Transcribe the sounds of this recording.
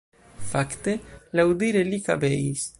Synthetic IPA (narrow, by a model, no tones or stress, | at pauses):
fakt̪elawd̪iɾelikabejs